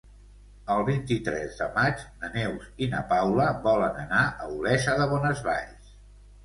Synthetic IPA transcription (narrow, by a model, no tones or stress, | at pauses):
əlˠβint̪it̪ɾɛ̰zðə̰mad͡ʒnənɛwzinə̰pawləbɔlənənaʔəulɛsəðəβ̞ɔnəzβa̰ʎs